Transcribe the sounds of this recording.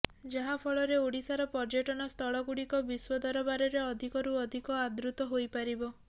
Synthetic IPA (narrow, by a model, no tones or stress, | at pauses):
d͡ʒaɦapʰɔɭɔɾeoɽisaɾɔpɔɾd͡ʒɔʈɔnɔst̪ʰɔɭɔɡuɽikɔbiswɔd̪ɔɾɔbaɾɔɾeɔd̪ʱikɔɾuɔd̪ʱikɔad̪ɾut̪ɔɦojpaɾibɔ